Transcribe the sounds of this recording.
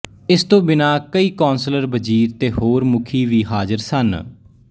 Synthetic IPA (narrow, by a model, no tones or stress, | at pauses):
ɪst̪õːbɪnaːkəiːkɔːnsləɾbəd͡ʒiːɾt̪eːɦoːɾmʊkʰiːʋiːɦaːzəɾsən